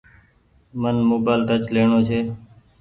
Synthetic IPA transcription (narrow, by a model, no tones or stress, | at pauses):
mənmoːbaːlʈət͡ʃleːɳoːt͡ʃʰeː